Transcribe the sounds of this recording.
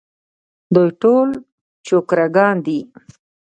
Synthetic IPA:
d̪ojʈol | t͡ʃokɾaɡɑnd̪i

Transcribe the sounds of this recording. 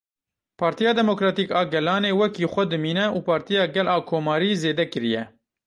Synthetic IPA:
pʰɑːɾt̪ijɑːd̪ɛmokɾɑːt̪iːkɑːɡɛlɑːneːwɛkiːxʷɛd̪ɨmiːnɛuːpʰɑːɾt̪ijɑːɡɛlɑːkʰoːmɑːɾiːzeːd̪ɛkɨɾijɛ

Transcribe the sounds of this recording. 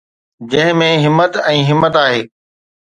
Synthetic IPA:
d͡ʑɐ̃ɦɪ̃mẽɦɪmːət̪ɛ̃ːɦɪmːət̪aːɦeː

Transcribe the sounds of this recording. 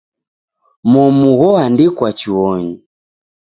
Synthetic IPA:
mɔmuɣɔandikwat͡ʃiwɔɲi

